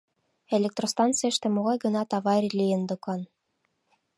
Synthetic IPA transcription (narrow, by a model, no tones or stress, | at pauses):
elʲek̚t̪rost̪ɑnt͡sɨjəʃt̪ĕmoɣɑjɡɤ̆nɑt̪ɑβɑɾʲilʲijə̆nd̪ɤ̆kɑn